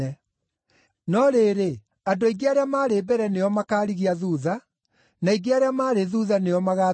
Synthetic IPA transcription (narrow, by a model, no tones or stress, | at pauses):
ɛ | nɔɾeːɾe | adoiɡiaɾeamaːɾebɛɾɛneɔmakaːɾiɣiaðuða | naiɡeaɾeamaːɾeðuðanejɔmaɣaː